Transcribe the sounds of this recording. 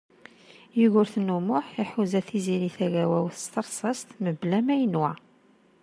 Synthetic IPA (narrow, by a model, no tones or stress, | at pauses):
juʝʊɾθnumʊħiħuzæθiziliθæʝæwæwθə̥st̪əɾˤsˤɑst̪məblæmæjənwæ